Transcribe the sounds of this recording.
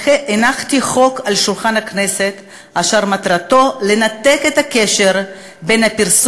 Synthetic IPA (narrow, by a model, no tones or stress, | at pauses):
eʔenaχt̪iχo̞kalʃulχanhakneset̪ | ʔaʃaʁmat̪ʁat̪o̞lenat̪eket̪akeʃeʁ | benhapiʁs